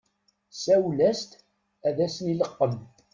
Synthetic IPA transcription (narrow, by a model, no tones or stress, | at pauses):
sæwlæst̪ | æðæsniləqːəm